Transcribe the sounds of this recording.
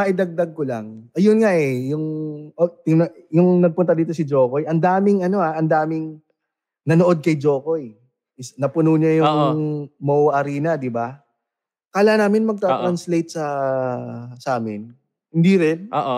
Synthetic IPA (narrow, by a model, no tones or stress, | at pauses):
mɐʔɪd̪ɐɡ̚d̪ɐɡ̚kola̰ŋʔɐjʊnŋaʔɛjʊŋʔot̪ɪnɐjʊŋnɐɡ̚pʊnt̪ɐd̪iːt̪̬o̞sɪd͡ʒo̞ːko̞jʔɐnd̪aːmɪŋɐno̞aʔɐnd̪aːmɪŋ | nɐnoʔo̞d̪̚kɐjd͡ʒo̞ːko̞j | ɪsnɐpʊnuɲɐjʊŋmowʔɐɾiːnɐd̪ɪba | kaːlaːnaːmɪnmɐɡ̚t̪at̪ɾɐnslejt̪̚sɐ | sɐʔaːmɪn | hɪnd̪iɾɪnʔoːʔ